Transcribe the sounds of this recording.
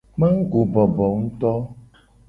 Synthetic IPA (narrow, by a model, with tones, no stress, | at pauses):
mã˦ŋ̩˦ɡo˨bɔ˨bɔ˨ŋ̩˦t̪ɔ˦